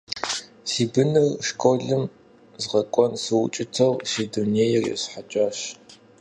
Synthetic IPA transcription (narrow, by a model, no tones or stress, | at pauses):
siːbɨnɨrʂkʰʷʼoːɮɨm | zʁɐkʷʼɔnsɨwʊ̰t͡ʃʼɪtʰɐwsiːdunejɛrjɛ̰sħat͡ʃʼaːɕ